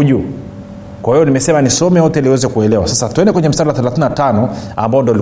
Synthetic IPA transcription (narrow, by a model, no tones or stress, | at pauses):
uʄu | kwahijɔnimɛsɛmanisɔmɛjɔtɛliwɛzɛkuɛlɛwasasatuɛndɛkwɛɲɛm̩saɗawaθɛlaθininatanɔa̰mbaɔndiɔali